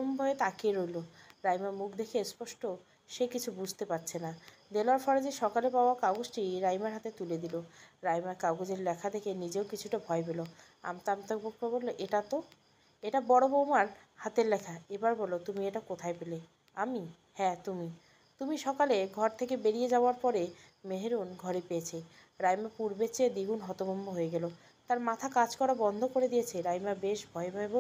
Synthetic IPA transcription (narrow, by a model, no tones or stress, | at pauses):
ombʱɔet̪akeɾojloɾajmaɾmukʰd̪ekʰespɔʃʈo | ʃekit͡ɕʰubud͡ʑʱt̪epaɾt͡ɕʰenad̪eloaɾfɔɾed͡ʑeʃɔkalepaoakawɡosʈiɾajmaɾɦat̪et̪uled̪iloɾajmaɾkawɡod͡ʑeɾlɛkʰad̪ekʰenid͡ʑeokit͡ɕʰuʈabʱɔepelo | a̰mt̪amt̪okbok̚poebolːoʔeʈat̪o | eʈabɔɽobomaɾ | hat̪eɾlɛkʰaebaɾbɔlot̪umieʈakot̪ʰaepele | ami | hɛt̪umi | t̪umiʃɔkaleɡʱɔɾt̪ʰekebeɾijed͡ʑaoaɾpɔɾe | meɦeɾunɡʱɔɾepeet͡ɕʰe | ɾajmapuɾbet͡ɕed̪iɡʱunɦɔt̪obomboɦoeɡɛlo | t̪aɾmat̪ʰakad͡ʑkɔɾabɔnd̪ʱokoɾed̪ijet͡ɕʰeɾajmabeʃbʱɔebʱɔebo